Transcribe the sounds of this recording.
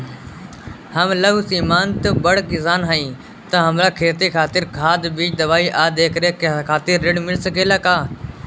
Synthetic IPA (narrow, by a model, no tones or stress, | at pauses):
həmləɦusiːmaːnt̪əbəɽɡɪsaːnɦaːĩː | t̪əɦəmɾaːkʰeːt̪iːkʰaːt̪ɪɾkʰaːd̪biːt͡ʃd̪əʋaːiːʔaːd̪eːkɾeːkkʰaːt̪ɪɾːɪɽmɪlsəɡeːlaːkaː